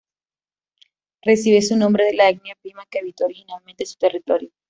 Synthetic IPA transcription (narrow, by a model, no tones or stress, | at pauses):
re̞siβesunõ̞mbɾe̞ðe̞laeɡnjapɾimakeeβit̪ouɾixinalmẽnt̪e̞su̥t̪e̞rit̪o̞ɾjo